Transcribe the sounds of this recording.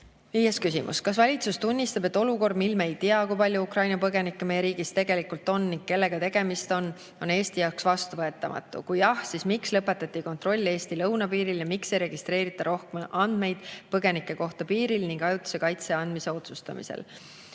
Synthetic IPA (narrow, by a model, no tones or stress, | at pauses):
viːjeskysimṵskɑsvɑlʲit̪sust̪unʲːist̪ɑb̥et̪ːˑo̞luko̞rd̪milmeejt̪iɑkujpɑlʲjuukrɑjnɑpɤɡe̞nikːemejeɾiːɡist̪e̞ɡ̥e̞likult̪ˑo̞nːiŋɡ̥ke̞lːe̞ɡ̥ɑt̪e̞ɡ̥e̞mist̪o̞n | o̞ne̞ːst̪ijɑwksvɑst̪uvɤe̞t̪ːˑɑmɑ̰t̪ˑːṵkujɑhsismikslɤpːe̞t̪ːˑɑt̪ʲːˑiko̞nt̪ro̞lʲːe̞ːst̪ilɤwnɑpiːɾiljɑmikse̞jɾe̞ɡ̥ist̪ɾe̞ːɾit̪ːˑɑɾo̞hkemʔɑnd̪̥me̞jd̪̥pɤɡe̞nikːˑe̞ko̞ht̪ɑpiːɾilniŋɡɑjut̪ːˑu̥se̞kɑjt̪se̞ɑnd̪mise̞o̞t̪sust̪ɑ̰mḭsḛl